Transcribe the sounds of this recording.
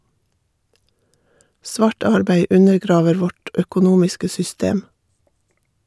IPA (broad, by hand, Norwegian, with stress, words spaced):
ˈsʋɑːʈ ˈɑɾbæɪ ˈʉnəɾˌɡɾɑːʋəɾ ˈʋɔʈ œkʊˈnuːmɪskə sʏˈsteːm